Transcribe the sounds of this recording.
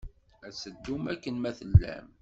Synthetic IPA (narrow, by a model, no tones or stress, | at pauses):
æsəd̪ːumækːənmæθəlːæ̰m